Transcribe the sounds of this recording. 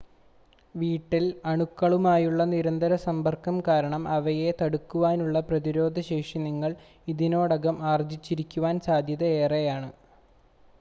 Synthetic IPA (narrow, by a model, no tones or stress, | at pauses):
ʋiːʈːilɐɳukːɐɭumaːjuɭːɐniɾɐnd̪ɐɾɐsɐmbɐrkːɐmkaːɾɐɳɐmɐʋɐje̞t̪ɐɽukːuʋaːnuɭːɐprɐðiɾo̞ːd̪ʱɐɕeːkʂiniŋːɐɭ | iðino̞ːɽɐɣɐmaːrd͡ʑit͡ɕːiɾikʲːuʋaːnsaːd̪ʱjɐðɐeːrejaːɳɨ